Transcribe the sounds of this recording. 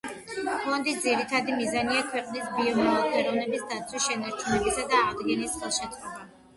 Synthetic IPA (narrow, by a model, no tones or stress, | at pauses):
pʰɔnd̪it̪̚d̪ziɾit̪ʰad̪imizaniakʰwɛqʼnisbiɔmɔɾalˠp̪ʰɛɾɔvnɛbisd̪at̪sʰwisʃɛnaɾt͡ʃʰunɛbisad̪aːʁd̪ɡɛnisχɛlˠʃɛt̪ʰχɛba